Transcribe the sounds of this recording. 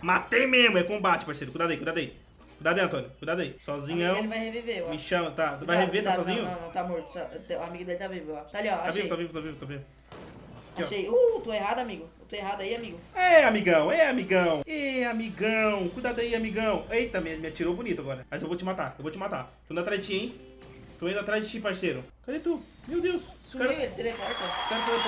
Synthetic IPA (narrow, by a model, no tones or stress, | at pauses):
mat̪ejmezmʊɛkõbat͡ʃɪ̥paɾsejɾʊkujd̪ad̪ɐikujd̪ad̪ai | kujd̪ad̪̃ɐ̃t̪õnjʊkujd̪ad̪ɐisɔzĩɲɐ̃wẽvajheviveamɪʃɐ̃mɐt̪avajhevet̪aasɔzĩɲʊɐ̃t̪amoɾt̪ʊ̥sat̪euamiɡʊd̪elɪt̪avivʊat̪aliɔaavivvt̪avivʊt̪avivʊt̪avivʊ | kaɔʃejot̪oeɦad̪ʊamiɡʊewt̪oeɦad̪aiamiɡʊɛamiɡɐ̃w̃ɛamiɡɐ̃w̃ɛamiɡɐ̃w̃kujd̪ad̪aiamiɡɐ̃w̃eit̪ɐ̃mẽj̃mɪat͡ʃiɾowbunit̪ʊaɡɔɾɐmɐzewvot͡ʃɪmat̪aewvot͡ʃɪmat̪a̰k̪õd̪ɐat̪ɾazd͡ʒɪt͡ʃiẽj̃ | t̪oẽd̪ʊat̪ɾazd͡ʒɪt͡ʃipaɾseɾʊkɾid̪ʊt̪u | mewd̪ewssɛɾelɪt̪elekɔɾt̪ɐkɛɾʊfaze